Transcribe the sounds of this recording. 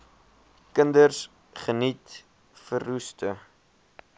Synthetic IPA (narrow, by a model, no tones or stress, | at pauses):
kəndərs | χənit | fərːustə